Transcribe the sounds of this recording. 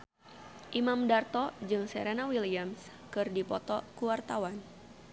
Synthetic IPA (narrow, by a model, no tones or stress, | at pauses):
ʔimamdart̪ɔd͡ʒɨŋsɛɾenawiliams | kɨrdipɔt̪ɔkuwart̪awan